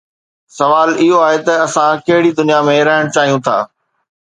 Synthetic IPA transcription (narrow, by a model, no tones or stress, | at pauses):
sɐʋaːlɪɦoaːɦet̪ɐɐsãkɐɦɪɽid̪ʊnijamẽɾɐɦɪɽ̃t͡ɕaːɦijũt̪ʰa̰ː